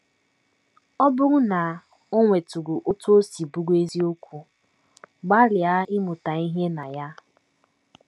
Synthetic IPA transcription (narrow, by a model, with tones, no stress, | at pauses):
ɔ˦bʊ˦ɾʊ˦na˨ | o˦ŋʷe˨tu˨ɡu˨ʔo˦tu˦o˦si˨bu˦ɡe˦zi˦o˦kʷu˦ | ɡ͡ba˦ɾɪ˨a˦ɪ˦mʊ˨ta˨i˦ɦe˦na˨ja˦